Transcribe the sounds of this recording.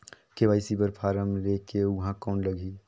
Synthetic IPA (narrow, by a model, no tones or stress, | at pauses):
keʋaːɪsibəɾpʰaːɾəmleːkeʊɦãkɔːnləɡʱiː